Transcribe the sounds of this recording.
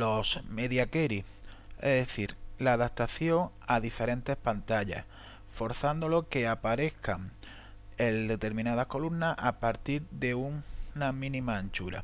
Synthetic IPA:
lo̞sme̞ðjakeɾi | eðeθiɾlaːðap̚t̪aθjo̞ŋ | aðife̞ɾẽ̞nt̪e̞hpant̪aʎa̰h | fo̞ɾθand̪o̞lo̞ke̞apaɾe̞hkaŋ | eld̪e̞t̪e̞ɾmĩnað̞ahko̞lumnaapaɾt̪iɾðe̞uŋnamĩnĩmaːnt͡ʃuɾa̰

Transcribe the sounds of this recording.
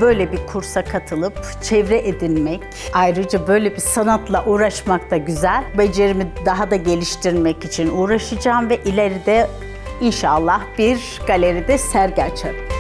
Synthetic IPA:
bø̞jlʲɛbikʰuɾsakʰat̪ʰɯlˠɯp̚t͡ʃʰɛvɾɛʔed̪inmɛc | ajɾɯd͡ʒabø̞jlʲebisanat̪lˠaʔuːɾaʃmakt̪ʰaɟyzælʲbed͡ʒeɾimid̪aɦad̪aɟe̞lʲiʃt̪ʰiɾmɛcit͡ʃʰinuːɾaʃɯd͡ʒaːmvɛʔilʲeɾid̪ɛ | inʃaːlˠːahb̥iɾ | ɡalʲeɾid̪ɛsæɾɟat͡ʃʰad̪ˠɯm

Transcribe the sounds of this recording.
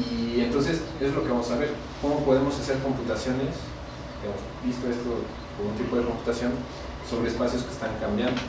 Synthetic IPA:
ie̞nt̪o̞ns̬e̞se̞zlo̞keβamosaβe̞ɾ | ko̞mo̞po̞ðemo̞sase̞ɾko̞mput̪asjo̞ne̞s | keemozbist̪o̞est̪o | komot̪ipo̞ðe̞ko̞mpu̥t̪asjo̞n | so̞βɾeːspasjo̞ske̥st̪aŋkambjand̪o

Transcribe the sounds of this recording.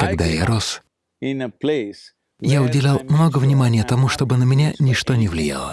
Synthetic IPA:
kɐɡd̪ajaɾos | ɪ̃nəples | jaʊdʲɪlʲalˠmno̞ɡəvnʲɪmanʲɪjət̪ɐmuʂt̪o̞bɨnəmʲɪnʲanʲɪʂt̪o̞nʲɪvlʲɪja̰lˠə̰

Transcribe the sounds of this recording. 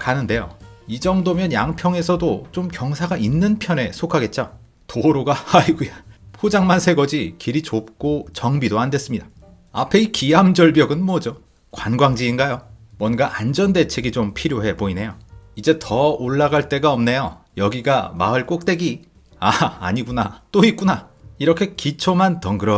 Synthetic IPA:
kanɯnde̞jo̰id͡ʑʌŋdomjʌnjaŋpʰjʌŋe̞sʰʌdot͡ɕomkjʌŋsʰaɡainːɯnpʰjʌne̞sʰokʰaɡe̞t̚t͡ɕ͈o | toɾoɡahaiɡujapʰod͡ʑaŋmansʰe̞ɡʌd͡ʑikiɾit͡ɕop̚k͈ot͡ɕʌŋbidoandwe̞s͈ɯmɲid̥a | a̰pʰe̞ikiamd͡ʑʌɭbjʌɡɯnmwʌd͡ʑo | kwanɡwaŋd͡ʑiːnɡajomwʌnɡaʔand͡ʑʌnde̞t͡ɕʰeɡit͡ɕompʰiɾjoɦe̞boine̞joid͡ʑe̞tʰʌoɭːaɡaɭt͈e̞ɡaʌmne̞jojʌɡiɡamaɯɭk͈ok̚t͈we̞ɡi | a̰ːɲiɡunat͈oik͈una | iɾʌkʰe̞kit͡ɕʰomantʌŋɡɯɾʌ

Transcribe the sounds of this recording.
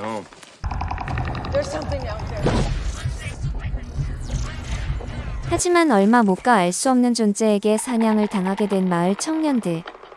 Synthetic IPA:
ðə˞sʌ̃mθɪ̃ŋa | had͡ʑimanʌɭmamok͈aːɭs͈uʌmnɯnd͡ʑont͡ɕ͈eːɡe̞sʰaɲaŋɯɭtaŋɦaɡe̞dwe̞nmaɯɭt͡ɕʰʌŋɲʌnde

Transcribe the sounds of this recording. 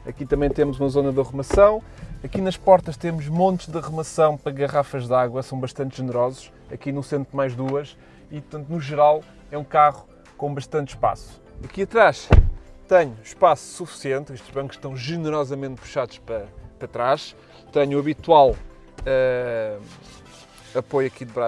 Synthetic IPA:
ɐkit̪ɐ̃mɐ̃j̃t̪emuzumɐzonɐðɨʁumɐsɐ̃w̃ɐkinɐʃpɔɾt̪ɐʃt̪emuʒmõnt̪ʒðɨʁumɐsɐ̃w̃pɾɐɣɐʁafɐʒðaɣwɐsɐ̃w̃bɐʃt̪ɐ̃nt̪ʒɨnɨɾɔzuʃ | ɐkinusẽnt̪ɾmajʒðuɐʃ | ipɾt̪ɐ̃nt̪unuʒɨɾalˠ | ɛũkaʁu | kõbɐʃt̪ɐ̃nt̪ʃpa̰su̥ | ɐkiɐt̪ɾaʃt̪ɛɲuʃpasu̥sufi̥siẽnt̪eʃt̪ʒβɐ̃ŋku̥ʃt̪ɐ̃w̃ʒɨnɨɾɔzɐmẽnt̪̚pu̥ʃaðuʃpɾɐpɾɐt̪ɾaʃ | t̪ɐɲuɐβit̪walˠ | ɛ | ɐpojɐkiðβɾa

